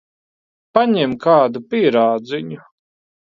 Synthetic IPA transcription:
paɲɛmkaːd̪upiɛɾaːd̪ziɲu

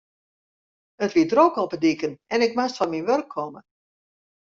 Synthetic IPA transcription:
ətʋidrokɔpədikənɛnɪk̚mastfɔnminʋørkʰːɔmə

